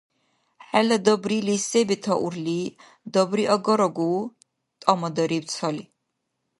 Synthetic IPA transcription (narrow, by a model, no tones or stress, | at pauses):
ħɛlad̪ɔbɾilisɛbit̪ʰɔʔuɾliː | d̪ɔbɾiʔɔɡɔɾɔɡuː | t̪ʼɔmɔd̪ɔɾipt̪sʰɔli